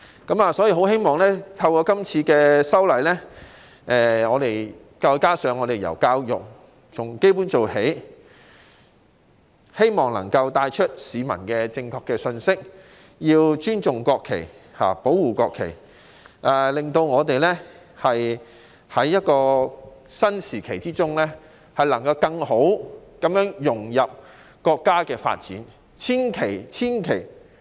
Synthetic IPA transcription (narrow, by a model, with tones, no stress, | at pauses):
kɐ˨˥maː˨sɔ˨˥jiː˧ɦo˨˥whe˥jmɔː˨˩ŋlɛː˥t̪ʰɐ˧wkɔː˧kɐ˥mt͡sʰiː˧kɛː˧sɐ˥wlɐ˨jlɛː˥ | ʔɛː˧ŋɔː˨˧t̪e˨j | kaː˧wkaː˥sœː˨˧ŋɔː˨˧t̪e˨jɐ̰˨˩wkaː˧wjʊ˨k̚ | t͡sʰʊ˨˩ŋke˥jpuː˨˥nt͡so˨whe˨˥j | he˥jmɔː˨ŋlɐ̰˨˩ŋkɐ˧wt̪aː˧jt͡ʃʰɵ˥t̚siː˨˧mɐ̰˨˩nkɛː˧t͡sɪ˧ŋkʰɔː˧kːɛː˧sɵ˧nsɪ˥k̚ | jiː˧wt͡ʃyː˥nt͡sʊ˨˩ŋkɔː˧kʰːḛ˨˩jha̰ː˨po˨˥wːuː˨kɔː˧kʰe˨˩j | ʔɛ˨lɪ˨ŋt̪o˧wŋɔː˨˧t̪e˨jlɛ˥ | hɐ˨j | hɐ˨˥jːɐ˥t̚kɔː˧sɐ˥nsiː˨˩kʰe˨˩jt͡siː˥t͡sʊ˥ŋlɛː˥ | hɐ˨jlɐ˨˩ŋkɐ˧wkɐ˧ŋho˨˥wkɐ˨˥mjœː˨˥ŋjʊ˨˩ŋjɐ˨p̚ | kɔː˧kːaː˥kɛː˧fa̰ː˧t̚t͡sḭː˨˥n | t͡sʰiː˥nkʰe˨˩jt͡sʰiː˥nkʰe˨˩j